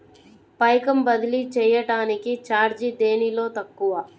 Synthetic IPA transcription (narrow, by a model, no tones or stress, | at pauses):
pɐjkɐmbɐd̪ilit͡ʃɛːjɐʈaːnikit͡ʃaːɾd͡ʒid̪e̞ːnilo̞ːt̪ɐkːuʋɐ